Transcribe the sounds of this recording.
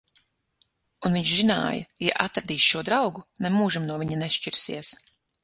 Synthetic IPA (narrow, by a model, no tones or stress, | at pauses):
unviɲʃzina̰ːjɐ̰jaʔat̪ɾd̪iːsʃuɔd̪ɾawɡunɛmuːʒimnuɔvʲiɲanɛʃt͡ʃiɾsḭɛs